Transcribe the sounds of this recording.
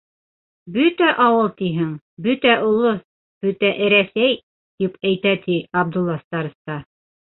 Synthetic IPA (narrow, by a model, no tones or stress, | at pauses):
bɵt̪æʔɑwɤlˠt̪iɦɘŋ | bɵt̪æʔulˠɤ | b̥ɵt̪æʔɘ̆ɾæsæj | t̪ipæjt̪æt̪iɑb̚d̪ulˠːɑst̪ɑɾɤ̆st̪ɑ